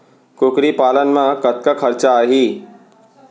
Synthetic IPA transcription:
kʊkɾipaːlənmãkɐt̪̚kakʰɐɾt͡ʃaɦiː

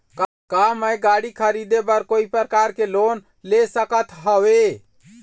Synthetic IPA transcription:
k | kaməjɡaɽikʰəɾid̪ebəɾkoipɾəkaɾkelon | lesəkət̪ɦəwe

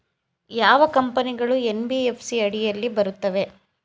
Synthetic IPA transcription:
jaːʋɐkɐmpɐniɡɐɭuenbiepʰsiɐɽijɐlːibɐɾut̪ːɐʋe̞

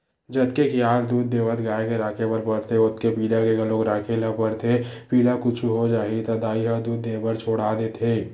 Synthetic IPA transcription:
d͡ʒəd̪kekijaːld̪uːd̪ːeːʋət̪ɡaːekeɾaːkʰebəɾpəɾt̪ʰeʊt̪kepiːlakeɡəloːɡɾaːkʰeləpəɾt̪ʰepiːlakʊt͡ʃʰuɦod͡ʒaːɦit̪əd̪aːiɦəd̪uːd̪ːeːbəɾt͡ʃʰoːɽad̪eːt̪ʰeː

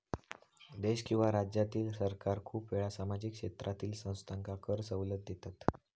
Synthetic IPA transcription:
d̪eɕkĩw̃ʋaɾad͡ʑjat̪iːlsəɾkaɾkʰuːpʋeɭasamad͡ʑikʂet̪ɾʔat̪iːlsə̃w̃st̪ʰaŋkakəɾsəwləd̪̚d̪ʱet̪at̪

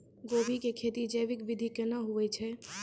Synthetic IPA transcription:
ɡoːbʱikekʰeːt̪id͡ʒəʋɪkʋɪd̪ʱikənaɦuɛt͡ʃʰɛ

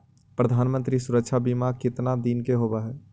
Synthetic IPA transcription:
pɾəd̪ʱaːnmə̃nt̪ɾisʊɾəkʃʰabimakɪt̪nad̪iːnkeɦoːbaɦɛː

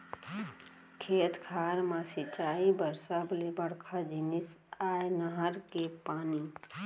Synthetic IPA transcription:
kʰeːt̪kʰaːɾmãsɪt͡ʃaːibəɾsablebəɽkʰad͡ʒinɪsaːjnəɦəɾkepaːni

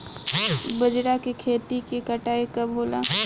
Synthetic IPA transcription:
bɐd͡ʒɽakekʰeːt̪ikekɐʈaːekɐbɦoːla̰ː

